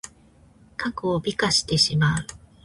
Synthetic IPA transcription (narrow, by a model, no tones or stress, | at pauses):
kakɯobʲikaɕi̥t̪e̞ɕimaɯ